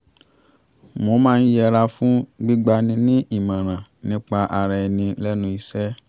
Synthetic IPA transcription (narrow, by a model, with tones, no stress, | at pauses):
mo˧˦mãː˦˧n̩˦jɛ˧ɾa˧fũ˦ɡ͡bi˦ɡ͡ba˧nĩ˧nĩ˦ʔi˦˨mã˨ɾ̃ã˨nĩ˦k͡pa˧ʔa˧ɾɛ˧ɛ˧nĩ˧lɛ˦nũ˧˦i˧sɛ˦